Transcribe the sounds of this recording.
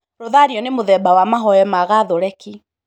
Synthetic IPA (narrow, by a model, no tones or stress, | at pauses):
ɾoðaɾiɔnemoðɛbawamaɦɔjɛmaɣaðoɾɛki